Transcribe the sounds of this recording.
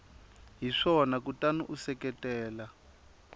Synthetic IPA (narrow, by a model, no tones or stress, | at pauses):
ɦiʂɔɔnakutanuʔusɛkɛtɛːla